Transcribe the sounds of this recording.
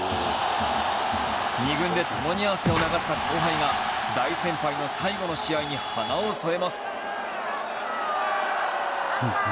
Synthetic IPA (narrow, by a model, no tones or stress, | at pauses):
ɲiɡɯ̟̃nd̪e̞t̪ʰo̞mo̞ɲ̟iaβase̞o̞naɡaɕi̥t̪akʲʰoːɦaiŋa | d̪aisẽ̞mpaino̞saiɡo̞no̞ɕiaiɲ̟ihanaoso̞e̞masɨ̥